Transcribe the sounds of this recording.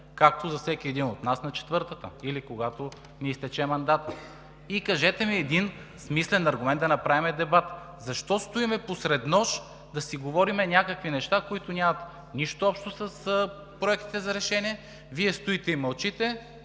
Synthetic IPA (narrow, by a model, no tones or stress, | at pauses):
kak̚t̪ozɐfsɛkʲiɛd̪inot̪nasnɐt͡ʃɛ̥t̪vɤɾt̪ət̪ə̰ilikoɡat̪o | niist̪ɛt͡ʃɛmɐnd̪at̪ | ikɐʒɛt̪ɛmiɛd̪insmislɛnɐɾɡʊmɛnd̪ɐnɐpɾavimɛd̪ɛbat̪ | zɐʃt̪ɔst̪ʊimɛposɾɛd̪nɔʃ | d̪ɐsiɡovɔɾimɛnʲjakəkvinɛʃt̪akoit̪onʲamɐt̪ | niʃt̪oɔpʃt̪osɐs | pɾoɛk̚t̪i̥t̪ɛzɐɾɛʃɛniɛ | viɛst̪ʊit̪ɛimɐlˠt͡ʃit̪ɛ